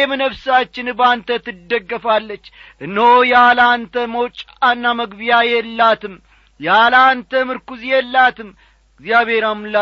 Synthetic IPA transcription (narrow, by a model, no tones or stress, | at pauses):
ɛmɨnəfsat͡ʃːɪnbant̪ʰət̪ɨd̪ːəɡːəfalːət͡ʃːʔɨnːəwjalant̪ʰəməwt͡ʃʼ | anːaməɡbijajɛlːat̪ɨm | jalant̪ʰəmɨɾkuzjɛlːat̪ɨm | ɡzjaβe̞ɾamɨla